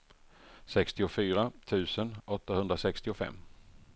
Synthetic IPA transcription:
sɛkst̪ɪʊfyːɾat̪ʰʉ̟ːsənʔɔt̪ːahɵnd̪ɾasɛkst̪ɪʊfɛ̰mː

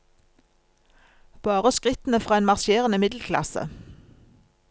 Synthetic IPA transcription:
b̥ɑːʁəskʁɪt̪n̩əfʁɑːeːnmɑʁʃeːʁənəmɪd̪l̩kʰlɑ̰sə̰

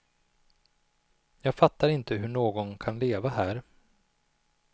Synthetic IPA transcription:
jɑːɡfat̪ːaɾɪnt̪əɦɵɳoːɡɔnkʰanleːvahæːɾ

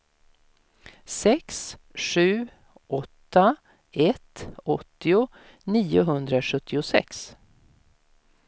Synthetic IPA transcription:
sɛksʂʉ̟ː | ʔɔt̪ːa | ɛt̪ɔt̪ːɪʊ | niːʊɦɵnd̪ɾaʂɵt̪ʰːɪʊsɛ̰ks

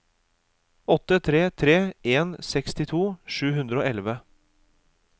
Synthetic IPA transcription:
ɔt̪ːət̪ʰɾeːt̪ʰɾeːʔeːnsɛkst̪ɪt̪ʰuːʂʉːhʉnd̪ɾəoːɛlʋə

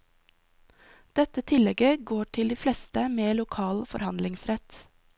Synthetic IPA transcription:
d̪̥ɛt̪ət̪ʰɪlɛɡəɡoːʈʰɪld̪iːflɛst̪əmeːlʊkʰɑːlfɔ̰ɾhɑnd̪lɪŋsɾɛt̪

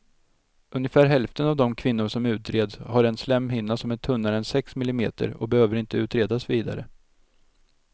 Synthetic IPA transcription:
ʔɵnjəfæːɾɦɛlft̪ənavd̪ɔmkʰvɪnːʊʂɔmʉ̟ːt̪ɾeːd̪shaɾɛnslɛmːɦɪnːasɔmɛnt̪ʰɵnːaɾəɛnsɛksmɪlɪmḛːt̪ə̰ɾɔ̰bɛhøːvəɾɪnt̪əʉ̟ːt̪ɾeːd̪asviːd̪a̰ɾə̰

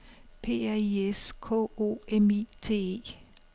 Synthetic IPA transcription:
pʰe̝̰ːæieskʰɔ̰ːo̰ːemit͡sʰe̝̰ːḛː

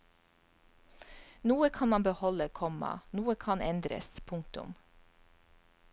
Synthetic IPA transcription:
nuːəkʰɑnmɑnbəhɔləkʰɔmɑ̰nuːəkʰɑnɛnd̪ɾə̰spʰʊŋkt̪ʊ̰m

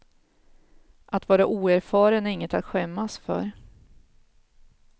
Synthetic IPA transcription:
ʔat̪vɑːɾaʔuːæɾfɑːɾənæɾɪŋːət̪at̪ɧɛmːasfœ̰ɾ

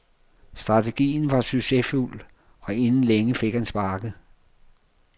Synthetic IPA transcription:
sd̥ʁɑ̈t͡sʰeɡ̥ḭːn̩ʋɑ̈syɡ̥sefṵl | ɒ̽e̝nn̩leŋəfe̝ɡ̥hænsb̥ɑ̈ːɡ̥ð̩

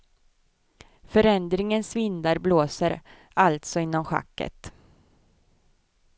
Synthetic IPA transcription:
fœɾɛnd̪ɾɪŋənsvɪnd̪aɾbloːsəɾ | alt̪sɔɪnːɔmɧa̰kːə̰t̪

